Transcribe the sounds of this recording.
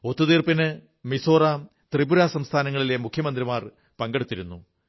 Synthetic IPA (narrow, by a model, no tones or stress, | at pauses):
o̞t̪ːuðiːrpinɨ | miso̞ːra | t̪ribuɾaːsɐmst̪ʰaːnɐŋːɐɭilemukʰjɐmɐnd̪rimaːr | pɐŋɡe̞ɽut̪ːiɾunːu